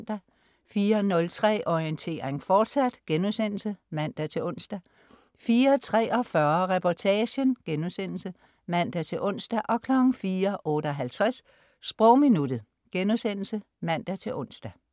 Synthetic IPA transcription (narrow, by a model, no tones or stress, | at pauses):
nd̥æ | fiːɐnɔ̽lt͡sʰʁɛ̰ːʔɒiənt͡sʰe̝̰ːʁeŋfɒːd̥sæd̥ɡ̥enusen̰l̩səmæn̰d̥æt͡sʰe̝lɔ̽n̰sd̥æ | fiːɐt͡sʰʁɛ̰ːɒ̽fɶɐʁɛpʰɒt͡sʰɛːɕənɡ̥enuðˠsen̰l̩sə | mæn̰d̥æt͡sʰe̝ʔɔ̽n̰sd̥æʔɒ̽kʰlɒ̽ɡ̥ŋ̩fiːɐʔɔ̽ːɾ̥əɒ̽ɦælt͡sʰʁɛsː | b̥ʁɔʊ̰minud̥ð̩ˠ | ɡ̥enuðˠsen̰l̩sə | mæn̰d̥æt͡sʰe̝ʔɔ̽n̰sd̥æ